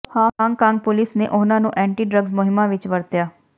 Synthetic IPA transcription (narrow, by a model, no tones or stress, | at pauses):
hãːkãːŋɡkãːŋɡ̚pʊlɪsnḛːʔʊnãːnũːʔɛ̃ːɳʈiːɖɾəɡzmʊɦɪmːãːʋɪt͡ʃʋəɾt̪jaː